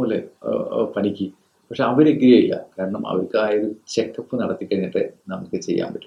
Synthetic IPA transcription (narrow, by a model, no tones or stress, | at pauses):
oːlḛpɐnikʲːi | pɐkʂeɐʋɐɾeɡɾijɐjilːɐ̰kaːɾɐɳɐmɐ̰ʋɐrkaːjoɾut͡ɕekːɐpːɨnɐɽɐt̪ːikʲːɐɻinːiʈːɨnɐmukːɨt͡ɕe̞jːa̰ːmbɐtːu̥